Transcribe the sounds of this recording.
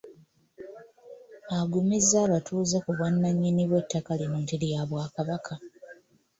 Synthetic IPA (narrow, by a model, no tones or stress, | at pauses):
aɡumizaːβatʰuːzekuβwanːaɲːiniβwe̞tʰːakalinontilijaβwaːkaβakʰa